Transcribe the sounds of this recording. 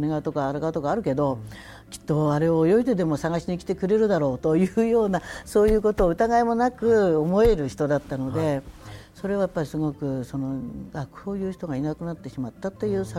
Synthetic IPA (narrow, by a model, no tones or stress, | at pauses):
neɡat̪o̞kaːɾaɡat̪o̞kaːɾɯ̟ke̞d̪o̞ | kʲi̥t̪ːo̞aɾe̞ojo̞id̪e̞d̪e̞mo̞saɡaɕiɲikʲi̥t̪e̞kɯ̟ɾe̞ɾɯ̟d̪aɾo̞ːt̪o̞jɯ̟ːjo̞ːnaso̞ːjɯ̟ːko̞t̪o̞ːɯ̟t̪aɡaemo̞nakɯ̟omo̞e̞ɾɯ̟çi̥t̪o̞d̪at̪ːano̞d̪e̞so̞ɾe̞β̞ajapːaɾʲisɨɡo̞kɯ̟so̞no̞ɡakɯ̟̥hoːjɯ̟ːçi̥t̪o̞ɡainakɯ̟nat̪ːe̞ɕimat̪ːat̪ːe̞jɯ̟ːsa